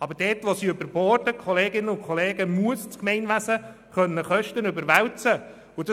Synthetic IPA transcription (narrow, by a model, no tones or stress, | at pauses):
ɑbəɾd̥ɛːtʋosiːøbəɾboːrdəkʰχɔleːɡɪnːəʊkʰχɔleːɡəmuəst͡skmɛɪnʋæsə | χœnːəχœʃtənʏbəɾʋæwt͡sə | ʊd